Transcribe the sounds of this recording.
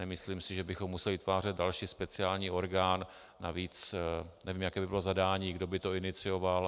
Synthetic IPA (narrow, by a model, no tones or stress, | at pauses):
ɛmɪsliːmsɪʒɛbɪxomːusɛlɪɪt̪vaːr̝ɛt̪̚dalʃiːspɛt͡sɪaːlɲiːo̞ɾɡaːnː | aviːt͡snɛviːmjakɛːbɪbɪlo̞zadaːɲiːɡdo̞bɪt̪o̞ɪnɪt͡sɪjo̞val